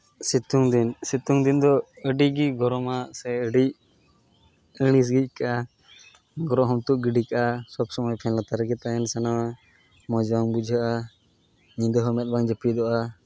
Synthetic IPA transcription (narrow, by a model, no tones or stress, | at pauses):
sit̪uŋd̪insit̪uŋd̪ind̪ɔəɖiɡiɡɔɾɔmasɛəɖic̚ | əɽ̃is̬ɡic̚ˀkaʔa | ɡɔɾɔɦɔmt̪uʔɡiɖikaʔasɔbsɔmɔjpʰɛnlat̪aɾɛɡɛt̪aɛnsanawa | mɔd͡ʒbaŋbud͡ʒʱaʔa | ɲĩd̪əɦɔmɛt̪̚baŋd͡ʒəpid̪ɔʔa